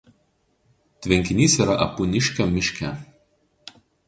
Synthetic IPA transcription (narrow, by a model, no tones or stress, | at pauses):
t̪ʲʋʲɛŋʲkʲɪnʲiːsiːɾɐʔɐpunʲɪʃʲkʲomʲɪʃʲkʲɛ̰ˑ